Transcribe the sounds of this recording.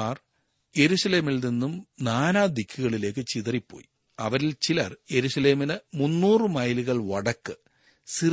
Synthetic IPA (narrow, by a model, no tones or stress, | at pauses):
aːr | je̞ɾuʂɐle̞ːmilninːumnaːnaːd̪ikʰːuɣɐɭile̞ːk̬ːɨt͡ɕiðɐripːo̞̰ːji | ɐʋɐɾilt͡ɕilɐrje̞ɾuʂɐle̞ːminɨmunːuːrɨmɐjluɣɐɭʋɐɽɐkːɨ | si